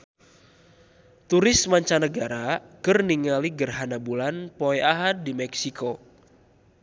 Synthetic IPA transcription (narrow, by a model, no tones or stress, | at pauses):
t̪uɾɪsmaɲt͡ʃanəɡaɾakərniŋaliɡərɦanabulanpoɛʔaɦad̚ːimɛksikʰo